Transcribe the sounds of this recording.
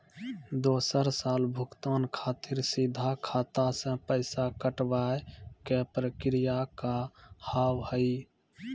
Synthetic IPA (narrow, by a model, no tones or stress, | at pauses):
d̪oːsəɾsaːlbʱʊkt̪aːnkʰaːt̪ɪɾsid̪ʱakʰaːt̪asə̃pəɪsakəʈwaekepɾəkɾijakahaːwhəɪ